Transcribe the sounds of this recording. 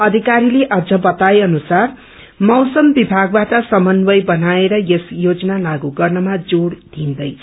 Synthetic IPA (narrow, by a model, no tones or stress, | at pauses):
ʌd̪ʱikaɾileʔʌd͡zʱʌbʌt̪ajʌnusar | mʌwsʌmbibʱaɡ̚baʈʌsʌmʌnbʌjbʌnaeɾʌjesjod͡zʌnalaɡuɡʌrnʌmad͡zoɽd̪ʱind̪ʌj